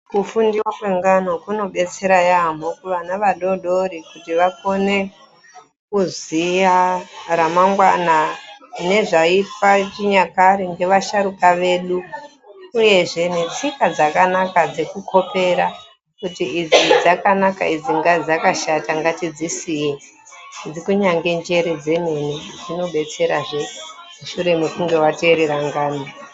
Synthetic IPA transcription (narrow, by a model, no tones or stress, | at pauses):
kufundiwakwe̞ŋɡanokuno̞ɓe̞t͡se̞ɾajamokuʋanaʋaɗo̞ɗo̞ɾikutiʋako̞ne̞ | kuzijaɾamaŋɡwanane̞ʐaipat͡ʃiɲakaɾiŋɡe̞ʋaʃaɾukaʋe̞ːɗu | uje̞ʐe̞ne̞t͡sikad͡zakanakad͡ze̞kukʰo̞pe̞ɾa | kutiid͡zid͡zakanaka̰id͡ziŋɡad͡zakaʃataŋɡatid͡zisije | d͡zikuɲaŋɡe̞nd͡ʒe̞ɾe̞d͡ze̞ne̞nid͡zino̞ɓe̞t͡se̞ɾaʐe̞ | muʃuɾe̞mekuŋɡe̞wate̞ɾeɾaŋɡaːna